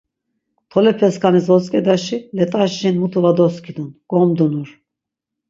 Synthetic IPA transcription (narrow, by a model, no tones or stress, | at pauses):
t̪ʰɔlɛpʰɛskʰanizɔskʼɛd̪aʃilɛt̪ʼaʃinmut̪ʰʼuvad̪ɔskʰid̪unɡ̥ɔmd̪unuɾ